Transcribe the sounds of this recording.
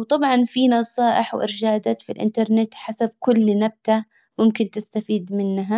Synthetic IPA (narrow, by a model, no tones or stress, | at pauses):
wt̪ˤɑbʕɑnfinɑsˤɑːʔɪħwʔɪ̰ɾd͡ʒaːd̪at̪filʔɪ̰nt̪ɑɾˤnɪt̪ħasab̚kʊlːnab̚t̪a | mʊmkɪnt̪ɪst̪afiːd̪mɪnːɦa